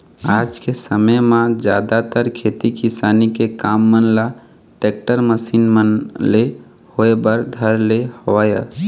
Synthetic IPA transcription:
ad͡ʒkesəməjmãd͡ʒjad̪at̪əɾkʰet̪ikisanikekamːənla | ʈek̚ʈəɾməsinmənle | hoebəɾd̪ʱəɾlehəʋajə

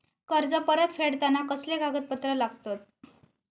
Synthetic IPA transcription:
kəɾd͡zəpəɾət̪feɽt̪anakəsleɡaɡət̪̚pət̪ɾəlaɡt̪at̪̚

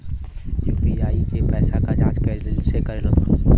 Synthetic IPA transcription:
juːbiaːikepɛːsakad͡ʒaːd͡ʒkəsekəɾelot̪a

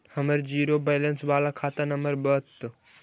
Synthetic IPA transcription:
həməɾd͡ʒiːɾobeːlənsʋaːlakʰaːt̪ɐnəməɾbət̪ː

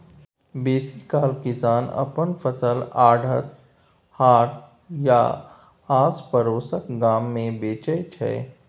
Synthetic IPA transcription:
beːsikaːlkɪsaːnɐ̰pənpʰəsəlaːɖʱət̪̚ | haːʈ̚ | ja̰ | aːspəɾoːsəkɡaːmːẽbeːt͡ʃət͡ʃʰɛ̰ː

